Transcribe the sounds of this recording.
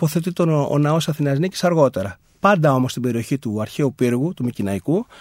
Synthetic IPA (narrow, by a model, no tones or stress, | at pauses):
poθe̞t̪it̪oo̰nɐo̞sɐθinɐznici̥sɐɾɣo̞t̪e̞ɾɐ | pɐnd̪ɐo̞mo̞st̪ibe̞ɾio̞çit̪uɐɾçe̞upiɾɣut̪umicinɐiku